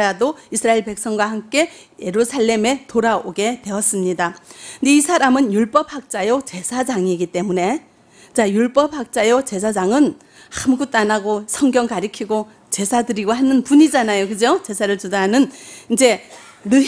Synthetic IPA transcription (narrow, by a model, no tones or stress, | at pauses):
adoisʰɯɾaeɭpe̞k̚s͈ʌŋɡwahamk͈e̞je̞ɾusʰaɭːe̞me̞toɾaoɡe̞twe̞ʌs͈ɯmɲidaniisʰaɾamɯnjuɭp͈ʌp̚hak̚t͡ɕ͈ajot͡ɕe̞sʰad͡ʑaŋiɡit͈e̞mune̞ | t͡ɕajuɭp͈ʌp̚hak̚t͡ɕ͈ajot͡ɕe̞sʰad͡ʑaŋɯn | hamɡut͈anaɡosʰʌŋɡjʌŋkaɾikʰiɡo | t͡ɕe̞sʰadɯɾiɡohanɯnpuɲid͡ʑanajokɯd͡ʑot͡ɕe̞sʰaɾɯɭtudanɯnind͡ʑe̞ | nɯ